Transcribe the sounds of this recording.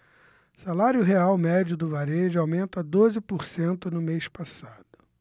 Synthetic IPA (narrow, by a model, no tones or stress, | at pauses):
salaɾjʊɦeawmɛd͡ʒʊd̪ʊvaɾed͡ʒɪawmẽnt̪ɐd̪ozɪpoɾsẽnt̪ʊnʊmejspasad̪̥ʊ